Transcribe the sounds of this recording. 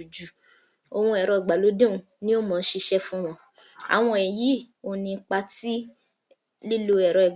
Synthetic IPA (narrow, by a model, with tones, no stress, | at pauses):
u˨d͡ʒu˨ | o˧w̃ũ˧ɛ˨ɾɔ˧ɛ˨ɡ͡ba˨lo˨˦dẽ˦ũ˨˧ | nĩ˦o˦˨mɔ̃ː˨˧n̩˦ʃe˧ʃɛ˦fũ˦w̃ɔ̃˧ | a̰˨w̃ɔ̃˧ɛ˨ji˨˦ | o˧˨nĩ˧˦k͡pa˧ti˦ | li˦lo˧ɛ˨ɾɔ˧ɛ˨